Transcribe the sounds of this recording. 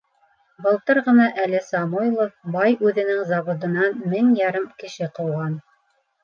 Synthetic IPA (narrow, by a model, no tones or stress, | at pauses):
bɤ̆lˠt̪ɤɾʁɤ̆nɑʔælɘsɑmojlˠobɑjʉðɘ̆nɘŋzɑβŏd̪ɤ̆nɑnmɘŋjɑɾɘmkɘ̆ʃɘqɤ̆wʁɑn